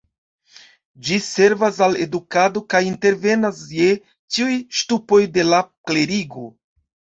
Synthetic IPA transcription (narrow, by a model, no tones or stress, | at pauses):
d͡ʒise̞ɾvasale̞̰dukado̞kajinte̞ɾve̞nasje̞ | t͡ʃiujʃtupo̞jde̞lakle̞ɾiɡo̞